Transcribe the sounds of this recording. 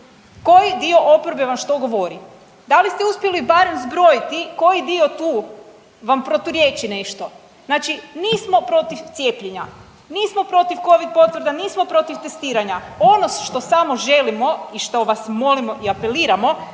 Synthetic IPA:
ko̞jid̪io̞ʔopoɾbeʋamʃt̪o̞ɡo̞ʋo̞ɾi | d̪alist̪euspjelibaɾemzbɾo̞jit̪iko̞jid̪io̞t̪uː | ʋampɾot̪uɾje̞ːt͡ʃine̞ʃt̪o̞ | znaːt͡ʃiniːsmo̞pɾo̞t̪iʋt̪sʲje̞ːpʎeɲa | niːsmo̞pɾo̞t̪iʋko̞ʋid̪̚po̞t̪ʋr̩d̪aniːsmo̞pɾo̞t̪iʋt̪est̪iːɾaɲaonoʃt̪o̞samo̞ʒe̞limo̞iʃt̪o̞ʋasmo̞limo̞ʔiape̞liːɾamo̞

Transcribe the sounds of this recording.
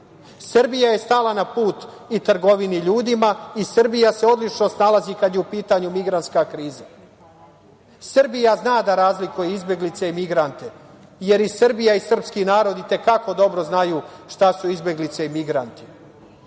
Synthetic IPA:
sr̩bijaje̞st̪aːlˠanapuːt̪ | it̪r̩ɡo̞ʋiniʎuːd̪imaisr̩bijase̞o̞d̪lit͡ʃno̞st̪nalazikad̪jeupiːt̪aɲumiɡɾant̪skakɾiːza | sr̩bijaznaːd̪aɾaːzlikujeizbje̞ɡlit̪seimiɡɾant̪e | je̞ɾisrbijaisr̩pskinaːɾo̞d̪it̪e̞kako̞d̪o̞bɾo̞znajuːʃt̪asuizbje̞ɡlit̪se̞imiɡɾant̪i̥

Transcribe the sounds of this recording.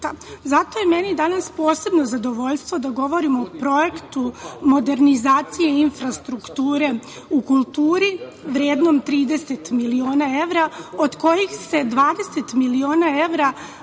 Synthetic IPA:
azat̪o̞jeme̞nid̪anaspo̞ːse̞bnozad̪o̞ʋo̞ʎst̪ʋo̞d̪aɡo̞ʋo̞ɾimopɾo̞jekt̪umo̞d̪e̞ɾnizaːt̪sije̞infɾast̪ɾukt̪uːɾe̞ | ukulˠt̪uːɾiʋɾjeːd̪no̞mt̪ɾiːd̪ese̞t̪milioːnae̞ʋɾaod̪ko̞jixse̞d̪ʋaːd̪e̞se̞t̪milio̞ːnae̞ʋɾa

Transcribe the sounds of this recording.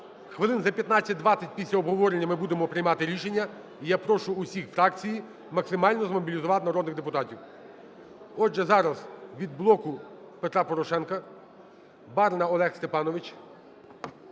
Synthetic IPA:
xʋɪlˠɪnzɐpʲjɐt̪nat͡sʲːɐt̚ʲd̪ʋɑt͡sʲːɐt̚ʲpʲisʲlʲɐɔbɦɔʋɔɾenʲːɐmɪbud̪emɔpɾɪjmɑt̪ɪɾʲiʃe̞nʲːɐ | ijapɾɔʃʊʊsʲixfɾɑkt͡sʲiji | mɐksɪmɑlʲnɔzmɔbʲilʲizʊʋɑt̪ɪnɐɾɔd̪nɪɣd̪epʊt̪ɑtʲiw | ɔʒɛzɑɾɐzʋʲid̪̚blˠɔkʊpet̪ɾɑpɔɾɔʃɛnkɐ | bɑrnɐɔlˠɛxst̪epɑnɔʋɪt͡ʃ

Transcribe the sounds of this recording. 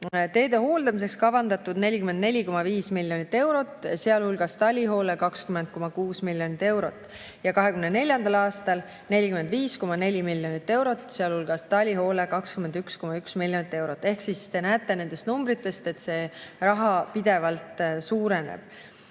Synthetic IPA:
t̪e̞ːd̪e̞ho̞ːld̪̥ɑmis̬e̞kskɑvɑnd̪̥ɑt̪ːud̪̥ne̞lʲikyme̞nd̪̚ne̞lʲiko̞mɑviːsmilːjo̞nit̪ːˑe̞wɾo̞t̪ːˑseɑlhulɡ̥ɑst̪ɑlʲiɦo̞ːlekɑkskymen̚ko̞mɑkuːsmilʲjo̞nit̪ːˑe̞wɾo̞t̪ːˑ | jɑkɑɦe̞kymnene̞lʲjɑnd̪ɑlɑːst̪ɑl | ne̞lʲikyme̞nd̪viːsko̞mɑne̞lʲimiljo̞nit̪ːˑe̞wɾo̞t̪ːˑseɑlhulɡ̥ɑst̪ɑlʲiɦo̞ːlekɑkskyme̞nd̪yksko̞mɑyksmilʲjo̞nit̪ːˑe̞wɾo̞t̪ːˑe̞hksist̪e̞næːt̪ˑːe̞ne̞nd̪̥e̞st̪numbɾit̪ːˑe̞st̪e̞t̪se̞ːrɑɦɑpid̪̥e̞vɑlt̪suːɾe̞nḛb̥

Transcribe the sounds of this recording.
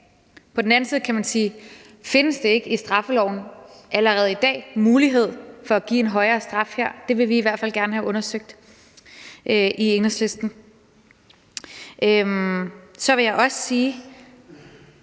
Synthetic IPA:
pʰɒ̽d̥n̩æn̩siːð̞̩ˠkʰæmænsiː | fe̝nəsd̥e̝e̝ɡ̥əisd̥ʁɑ̈fəlɒʊ̰n̩ʔæləʁɛːð̞̩ˠid̥ɛ̰ːmuːliɦe̝ð̞̰ˠfɒ̽æɡ̥ḭːe̝nɦɒ̽ɪɐːsd̥ʁɑ̈fheɐ̰d̥e̝ʋe̝ʋiːʋæɐ̰d̥fæl̰ɡ̥æɐnəɦæʔɔ̽nɐsøɡ̥̚d̥ | ʔʔieŋnəsle̝sd̥n̩ | ʔømsɒ̽ʋe̝jɑ̈ɪʔɒ̽sə̥siː

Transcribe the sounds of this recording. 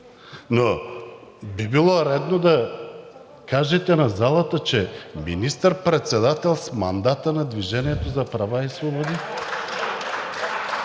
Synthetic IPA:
no | bibilˠoɾɛd̪nod̪ɐ | kaʒɛt̪ɛnazalˠat̪ət͡ʃɛminist̪əɾpɾɛt̪sɛd̪at̪ɛlˠsma̰nd̪at̪ənad̪viʒɛniɛt̪ozɐpɾavaisvobɔd̪i

